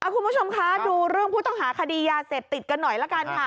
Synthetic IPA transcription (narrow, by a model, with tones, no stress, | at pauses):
ʔa˧˩kʰu˧nmʰu˦˥˩t͡ɕʰo˧mkʰa˦˥duː˧ɾɯ˥˩əŋpʰuː˥˩t̪ɔ˥˩ŋɦaː˩˦kʰa˧diː˧jaː˧seː˨˩p̚t̪i˨˩t̪̚ka˧nːɔ˨˩jlɛ˦˥kaː˧nkʰa˧˩